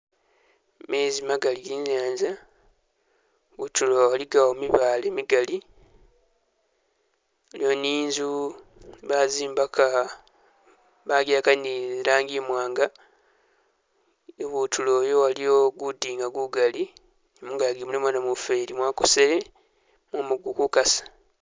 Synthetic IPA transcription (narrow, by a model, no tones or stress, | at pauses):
mezimaɡaliɡiːɲaːnza | βutulowaliɡawomiβalemiɡali | olioniːnzu | βaziːmbaka | βaɡaːkaniɾaːŋɡimwaːŋɡa | eβutʰuloːjowalijoɡudiːŋɡaɡuɡali | nemuːŋɡajaɡimulimwanamufeɾimwaːkusele | mwomuɡukukasḁ